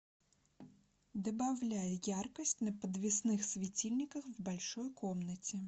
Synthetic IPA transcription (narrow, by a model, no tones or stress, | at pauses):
d̪ɐbawlʲajɛjarkɐsʲtʲnɐpɐd̪vʲisnɪxsʲvʲit͡sʲilʲnʲikɐxwbalʲʂɔjkʰɔmnɐt͡sʲi